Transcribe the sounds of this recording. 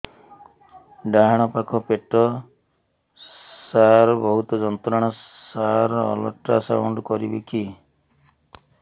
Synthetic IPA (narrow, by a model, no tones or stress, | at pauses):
ɖajaɽ̃ɔpakʰɔpeʈɔ | saɾbɔɦut̪ɔd͡ʒɔnt̪ɔɾaɽ̃ɔ | saɾɔ̰lɔ̰ʈɾasa̰wuɳɖkɔɾibeki